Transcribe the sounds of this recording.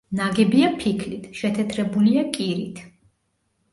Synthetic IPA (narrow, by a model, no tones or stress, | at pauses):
naɡɛbiapʰikʰlit̪ʰʃɛt̪ʰɛt̪ʰɾɛbuliakʼiɾit̪ʰ